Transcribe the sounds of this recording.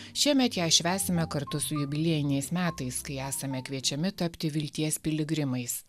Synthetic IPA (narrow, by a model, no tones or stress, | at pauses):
ʃʲiɛmʲɛt̪jæːʃʲʋʲæːsʲɪmʲɛkɐɾt̪ʊsʊjʊbʲɪlʲeɛjɪnʲɛɪsmʲæːt̪ɐɪskɐɪæːsɐmʲɛkʋʲiɛt͡ʃʲɛmʲɪt̪ɐpʲt̪ʲɪʋʲɪlʲt̪ʲiɛsʲpʲɪlʲɪɡɾʲɪmɐɪs